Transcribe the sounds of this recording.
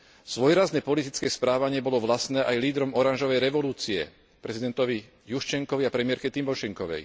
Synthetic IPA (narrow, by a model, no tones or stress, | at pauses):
z̥ʋɔjɾaznɛpɔlit̪it͡skɛːspɾaːʋaɲɪɛbɔlɔʋlasnɛːʔajliːd̪ɾɔmɔɾanʒɔʋɛjɾɛʋɔluːt͡siɛ̰ | pɾɛzid̪ɛnt̪ɔʋi | juʃt͡ʃɛŋkɔʋiapɾɛmɪɛɾkɛt̪imbɔʃɛŋkɔʋɛ̰j